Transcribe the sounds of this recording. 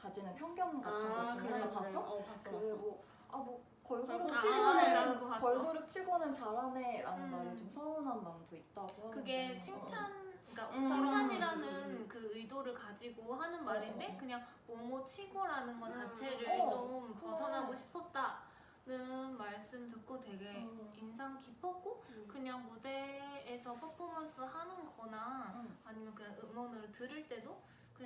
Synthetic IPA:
kad͡ʑinɯnpʰjʌŋɡjʌŋɡatʰɯŋɡoianɯkasʰʌkbo | amwʌ | kʌɭɡoɾot͡ɕʰiɡnɯaɡoakʌɭɡoɾɯt͡ɕʰiɡonɯnt͡ɕaɾane̞ɾanɯnmaɾɯɭt͡ɕomsʰʌnonɦanmandoit̚t͈aɡohakɯɡet͡ɕʰiŋt͡ɕʰanik͈at͡ɕʰiŋt͡ɕʰaɲiɾanɯnkɯɯidoɾɯɭkad͡ʑiɡohanɯnmaɾindekɯɲaŋ | momot͡ɕʰiɡoɾanɯnɡʌt͡ɕat͡ɕʰe̞ɾɯɭɭt͡ɕomkʌsʰʌnaɡoɕʰi̥pʰʌt̚t͈a | nɯnmaɭs͈ɯmtɯk̚k͈ʰotwe̞ɡe̞insʰaŋkipʰʌɡokɯɲaŋude̞ːsʰʌpʰʌpʰomjʌnsʰʌhanɯnɡʌnaːɲimjʌnkɯɲaŋɯmʌnɯɾotɯɾɯɭt͈e̞do | kɯɲa

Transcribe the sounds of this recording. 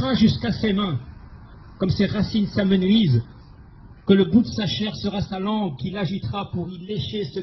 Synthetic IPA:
ʁaʒyskasemɛ̃ | kɔmseʁasinsamənɥiz | kələɡud̪əsaʃɛʁsəʁasalɑ̃ɡ̚kʲilaʒit̪ʁapuʁileʃesə

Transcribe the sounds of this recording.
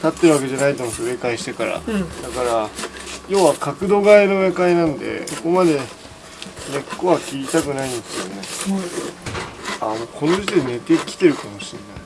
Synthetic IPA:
t̪at̪ːe̞ɾɯβake̞ʑanait̪omot̪ːe̞kaiɕi̥t̪e̞kaɾa̰d̪akaɾajo̞ːβakakɯ̟d̪o̞ɡaeno̞βekainãnd̪e̞̰soko̞mad̪e̞ | ne̞kːo̞βakʲiɾʲit̪akɯ̟naĩndsɨjɯne | amoːkʰo̞noʑit̪ene̞t̪e̞kʲi̥t̪e̞ɾɯ̟kamo̞ɕinːai

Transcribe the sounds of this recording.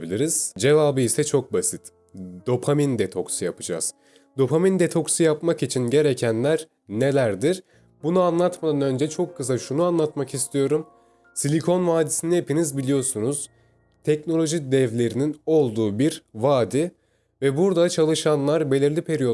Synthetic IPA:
bilʲiɾiz̥d͡ʒe̞vaːbɯisɛt͡ʃʰo̞k̚basit̪ | d̪o̞pʰamind̪ɛt̪ʰo̞ksɯjapɯd͡ʒa̰z̥ | d̪o̞pʰamind̪et̪ʰo̞ksujapmakit͡ʃʰinɟe̞ɾecʰænlʲæɾ | ne̞lʲæɾd̪iɾ | bunuanlˠat̪mad̪anø̞nd͡ʒɛt͡ʃʰokʰːɯs̬aʃunuanlˠat̪makist̪ʰijo̞ɾum | silʲikʰo̞nvaːd̪isiniepinizbilʲijo̞sunuz̥ | t̪ʰɛcno̞lʲo̞ʒid̪ɛvlʲe̞ɾinino̞lˠd̪uːbiɾvaːd̪i | vɛbuɾd̪at͡ʃʰalˠɯʃanlˠaɾbe̞lʲiɾlʲipʰe̞ɾijo

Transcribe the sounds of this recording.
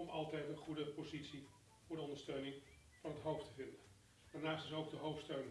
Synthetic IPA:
ɔmɑ̰lˠtɛjtənχudəpozitsi | vʊːɹdəɔ̃ndəɹstøɥnɪŋ | vɑnɦətɦowftəvɪndən | d̥aːɹnaːstɪsowɡ̚dəɦowftstøɥn

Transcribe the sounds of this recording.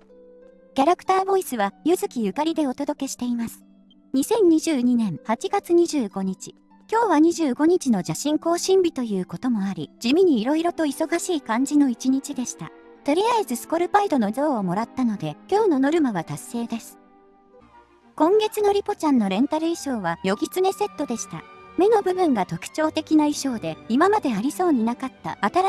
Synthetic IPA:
kʲaɾakɯ̥t̪aːbo̞isɨβajɯ̟zɨkʲijɯ̟kaɾʲid̪e̞o̞t̪o̞d̪o̞ke̞ɕi̥t̪e̞imasɨ̥ | ɲ̟isẽ̞ɲ̟ɲiʑɨːɲ̟inẽ̞ɰ̃hat͡ɕiɡat͡sɨɲ̟iʑɨːɡo̞ɲ̟it͡ɕi̥ | kʲo̞ːβaɲ̟iʑɨːɡo̞ɲ̟it͡ɕino̞ʑaɕĩŋko̞ːɕĩmbʲit̪o̞jɯ̟ːko̞t̪o̞mo̞aɾʲid͡ʑimʲiɲ̟iːɾo̞iɾo̞t̪o̞iso̞ɡaɕiːkãɲ̟d͡ʑino̞it͡ɕiɲ̟it͡ɕid̪e̞ɕi̥t̪a̰t̪o̞ɾʲiaizɨsɨ̥ko̞ɾɯ̟baid̪o̞no̞zo̞ːmo̞ɾat̪ːano̞d̪e̞kʲo̞ːno̞no̞ɾɯ̟maβat̪asːe̞ːd̪e̞sɨ̥ | kõ̞ŋɡe̞t͡sɨno̞ɾʲipo̞t͡ɕãnːo̞ɾẽ̞nt̪aɾɯ̟iɕo̞ːβajo̞ɡʲit͡sɨne̞se̞t̪ːo̞d̪e̞ɕi̥t̪a̰me̞no̞bɯ̟bɯ̟̃ŋɡat̪o̞kɯ̟̥t͡ɕo̞ːt̪e̞kʲinaiɕo̞ːd̪e̞imamad̪e̞aɾʲiso̞ːɲ̟inakat̪ːa̰ːt̪aɾa

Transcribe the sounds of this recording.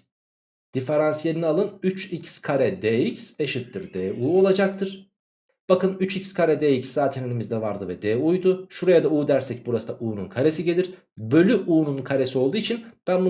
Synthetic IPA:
d̪̥ife̞ɾansjelʲinialˠɯnyt͡ʃicskʰaɾɛd̪eicseʃɯt̪ːɯɾd̪eːuːo̞lˠad͡ʒak̚t̪ʰɯɾ̥ | b̥akɯnyt͡ʃicskʰaɾɛd̪eːicszaːt̪ʰenenʲimizd̪ɛvaɾd̪ɯvɛd̪eːujd̪ʊʃuɾajad̪auːd̪æɾsɛc̚buɾasɯd̪aʔuːnunkʰaɾe̞siɟe̞lʲiɾ̥ | bø̞lʲyʔuːnunkʰaɾe̞sio̞lˠd̪uːit͡ʃʰinb̥ænbu

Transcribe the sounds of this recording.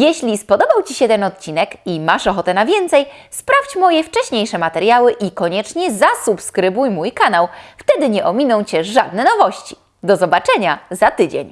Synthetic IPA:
jɛɕlʲispɔd̪ɔbawt͡ɕiɕɛt̪ɛnɔt̪̚t͡ɕinɛkimaʂɔxɔt̪ɛnavʲjɛnt̪sɛjspɾaft͡ɕmɔjɛft͡ʂɛɕɲejʂɛmat̪ɛɾjawɘʔikɔɲɛt͡ʂɲɛzasupskɾɘbujmujkanawft̪ɛd̪ɘɲɛʔɔmʲinɔ̃w̃t͡ɕɛʐad̪nɛnɔvɔɕt͡ɕi̥ | d̪ɔzɔbat͡ʂɛɲazat̪ɘd͡ʑḛɲ

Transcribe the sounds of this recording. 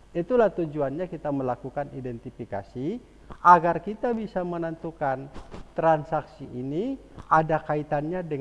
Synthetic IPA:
it̪ulaht̪ud͡ʒuanɲakit̪aməlakukanidɛnt̪ifika̰si | aɡarkit̪abisamənənt̪ukant̪ɾansaksiʔːni | adakait̪anɲadə

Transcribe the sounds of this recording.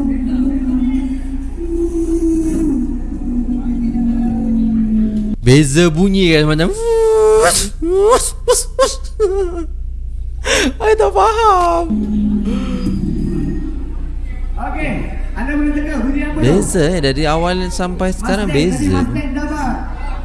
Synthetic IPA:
bezəbuɲĩkamat͡ʃam | ajt̪ɔfaɦam | oke | andamənət̪əɡaɡuɲiapəbezəɛdaɾiawalsampajsə̥kaɾaŋbeza̰ɛdapa

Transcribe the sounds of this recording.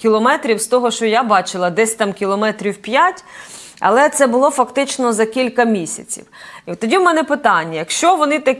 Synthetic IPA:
kʲilˠɔmɛt̪ɾʲiwst̪ɔɦɔʃt͡ʃɔjabɑt͡ʃɪlˠɐd̪ɛsʲt̪ɑmkʲilˠɔmɛt̪ɾʲiwpʲjatʲ | ɐ̰lˠɛt̪sɛbʊlˠɔfɐkt̪ɪt͡ʃnɔzɐkʲilʲkɐmʲisʲɐ̰t͡sʲḭwit̪ɔdʲiwmɛnɛpɪt̪ɑnʲːɐjɐkʃt͡ʃɔʋɔnɪt̪ɐk

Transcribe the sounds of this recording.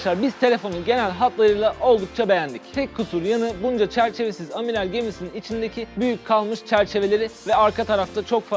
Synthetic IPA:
ʃaɾbiz̥t̪ʰe̞lʲefo̞nuɟe̞nælʲɦat̪lˠaɾɯjlˠaʔʔo̞lˠd̪uk̚t͡ʃʰabe̞jænd̪ict̪ʰɛckʰːusuɾjanɯbund͡ʒat͡ʃʰæɾt͡ʃʰe̞ve̞sizamilʲaɾɟe̞misininit͡ʃʰind̪e̞cʰibyjyc̚kʰalˠmɯʃt͡ʃʰæɾt͡ʃʰe̞ve̞lʲe̞ɾivɛaɾkʰat̪ʰaɾaft̪ʰat͡ʃʰo̞kfa

